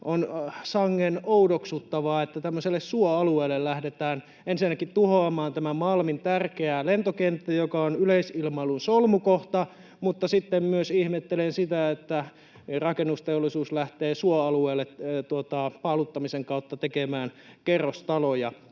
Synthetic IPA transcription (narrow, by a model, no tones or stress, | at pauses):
ʔonsɑŋːenoudoksut̪ːɑʋɑːet̪ːæt̪æmːøselːessuoɑlueːlːellæhdet̪æːn | ensinːækit̪uhoɑmɑːnt̪æmæmɑlmint̪ærkeælent̪okent̪ːæjokɑonyleisilmɑilunsolmukoht̪ɑ | mut̪ːɑsit̪ːemmyøsihmet̪ːelensit̪æet̪ːæ | rɑkenːust̪eolːˑisuːslæht̪eːsuoɑlueːlːett̪uot̪ɑpɑlut̪ːɑmiseŋkɑut̪ːɑt̪ekemæːnkerːost̪ɑlojɑ